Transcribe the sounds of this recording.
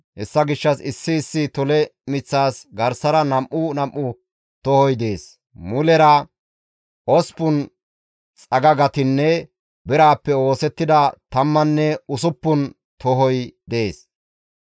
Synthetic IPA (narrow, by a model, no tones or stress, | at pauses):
hɛsːɐɡɪʃːɐsɪsːɪːsːɪt̪ɔlɛmɪt͡sːaːsɡɐɾsɐɾɐnɐmʔʊnɐmʔːʊ | t̪ɔhɔjd̪e̞ːs | mʊlɛɾɐ | ɔspʊn | t͡sʼɐɡɐɡɐt̪ɪnːɛ | bɛɾaːpːɛo̞ːsɛt̪ːɪd̪ɐt̪ɐmːɐnːɛʊsʊpːʊn | t̪ʰɔɦɔjd̪eːs